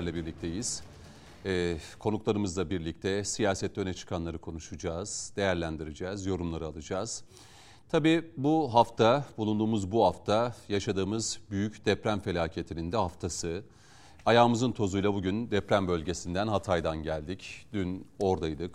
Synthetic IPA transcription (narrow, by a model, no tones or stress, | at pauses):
ɾlʲɛbiɾlʲic̚t̪ʰe̞jiz̥ː | kʰo̞nuklˠaɾɯmɯzlˠabiɾlʲic̚t̪ʰɛsijaːsɛt̪ʰːø̞nɛt͡ʃʰɯ̥kʰanlˠaɾɯkʰo̞nuʃud͡ʒaːz̥d̪̥e̞jæɾlʲænd̪iɾid͡ʒɛːzjo̞ɾumlˠaɾɯalˠɯd͡ʒaːz̥ | t̪ʰabiːbuɦaft̪ʰabulˠund̪uːmuzbuhaft̪ʰajaʃad̪ɯːmɯzbyjycd̪ɛpɾæmfe̞lʲaːcʰe̞t̪ʰinind̪ɛɦaft̪ʰasɯ | ajaːmɯzɯnt̪ʰo̞zujlˠabuɟynd̪ɛpɾæmbø̞lʲɟe̞sind̪ænɦat̪ʰajd̪anɟælʲd̪icd̪yno̞ɾd̪ajd̪ɯk